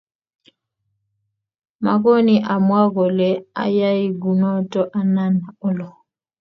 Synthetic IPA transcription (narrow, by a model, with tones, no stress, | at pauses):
ma˨kɔ˦ni˨ʔa˨mwa˦ɣɔ˨lɛ˨a̰˦ja˦i˦ɡu˨nɔ˦tɔ˦ʔa˦na˦na˨ɔ˦lɔ˨